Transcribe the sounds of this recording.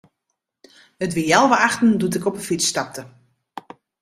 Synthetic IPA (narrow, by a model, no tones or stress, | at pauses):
ətʋɪjɛlˠʋəaxtn̩dut̬ɪkɔpəfit͡sːtap̚tə